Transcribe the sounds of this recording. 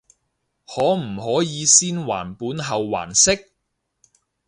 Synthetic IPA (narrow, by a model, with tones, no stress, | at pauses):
hɔː˨˥m̩˨˩hɔː˨˥jiː˨˧siː˥nwa̰ː˨˩npuː˨˥nɦɐ˨wːa̰ː˨˩nsɪ˥k̚